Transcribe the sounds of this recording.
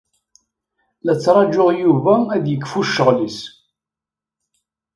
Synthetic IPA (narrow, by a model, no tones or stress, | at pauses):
læt͡sːɾˤɑd͡ʒːoʁjuvæːðjəkːfuʃːəʁlis